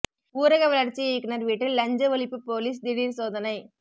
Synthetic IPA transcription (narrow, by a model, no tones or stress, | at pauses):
uːɾɐɣɐʋɐlɐɾt͡ʃːieːknɐɾʋiːʈːɪlːɐɲd͡ʒɐʋɐɭɪpːɯpoːliːs̬d̪ɪɽiːɾsoːðɐnɐɪ